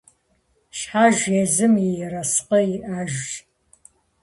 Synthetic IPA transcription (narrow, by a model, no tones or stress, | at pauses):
ʃħaːʒezɨmijɛɾɐsqɐjiʔaːʒʒ